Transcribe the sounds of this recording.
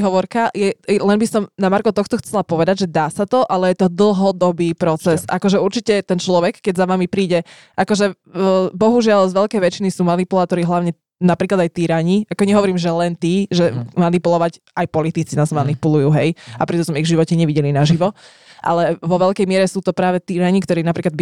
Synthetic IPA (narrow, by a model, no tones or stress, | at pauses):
ɦɔʋɔɾkajɛlɛnbisɔmnamaɾkɔt̪ɔxt̪ɔxt͡sɛlapɔʋɛd̪aɟʒɛd̪aːsat̪ɔʔalɛjɛt̪ɔd̪l̩ˠɦɔd̪ɔbiːpɾɔt͡sɛssʔa̰kɔʒɛuɾt͡ʃicɛt̪ɛnt͡ʃlɔʋɛkːɛɟzaʋamipɾiːɟɛ | ʔakɔʒɛ | bɔɦuʒɪalzʋɛʎkɛjʋɛt͡ʃinisuːmanipulaːt̪ɔɾiɦlaʊɲɛ | napɾiːklad̪ajt̪iːɾaɲiakɔɲɛɦɔʋɔɾiːmʒɛlɛnt̪iːʒɛmanipulɔʋac | ajpɔlit̪it͡sinazmanipulujuːɦɛjapɾɛt̪ɔt̪ɔmiɣvʒiʋɔcɛɲɛʋiɟɛlinaʒiʋɔ | ʔa̰lɛʋɔʋɛʎkɛjmɪɛɾɛsuːt̪ɔpɾaːʋɛt̪iːɾaɲikt̪ɔɾiːnapɾiːklad̪bi